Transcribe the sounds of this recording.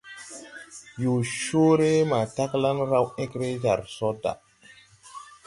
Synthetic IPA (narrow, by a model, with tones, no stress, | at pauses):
jo˨ʃo˦ɾe˦ma˨ta˦kla˦nɾa˦we˦kɾe˦d͡ʒa˨ɾso˦da̰˨